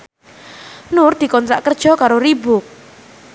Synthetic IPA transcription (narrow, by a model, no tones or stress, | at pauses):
nʊrd̪̥i̤kɔnt̪ɾa̰ʔkərd̥ʒ̥ɔ̤kaɾoɾibʊk̚